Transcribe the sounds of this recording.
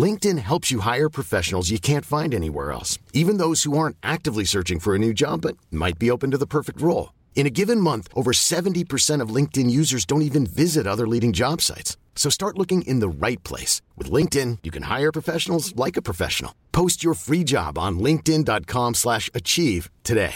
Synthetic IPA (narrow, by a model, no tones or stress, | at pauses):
lɪ̃ŋk̚tɨ̃nɦɛlˠpsjɨɦaɪə˞pʰɹ̥ɨfɛʃn̩l̩ˠzjɨkʰæ̃ntfãɪ̃ndɛnḭwɛ̰ɹɛ̰lˠsivɨ̃nðoʊz̥huɑɹ̃ntʔæk̚tɨvlisɜ˞t͡ʃɪ̃ŋfə˞ɨnʉd͡ʒɑbːʌt̚ma̰ɪt̚b̥ioʊpɨ̃n̩tɨðəpʰɜ˞fɨk̚t̚ɹoʊlˠ | ɨ̃nɨɡɪvɨ̃nmʌ̃nθʔoʊvə˞sɛvɨ̃n̩tipʰə˞sɛ̃ɾ̃ʌvlɪ̃ŋk̚tɨ̃njʉzə˞zdõʊ̃ntivɨ̃nvɪzɨɾʌðə˞liɾɪ̃ŋd͡ʒɑb̥sa̰ɪtsː | oʊstɑɹʔˡlʊkɪ̃ŋʔɪ̰̃nðəɹaɪt̚pʰl̥ḛɪswɨðlɪ̃ŋk̚tɪ̃njɨkʰɨ̃nha̰ɪə˞pʰɹ̥əfɛʃn̩l̩ˠzlaɪkɨpʰɹ̥əfɛ̰ʃn̩l̩ˠpʰoʊst͡ʃə˞fɹid͡ʒɑ̰b̃n̩lɪ̃ŋk̚tɪ̃ndɑt̚kʰɑ̃mslæʃɨt͡ʃʰiv̥tʰɨdeɪ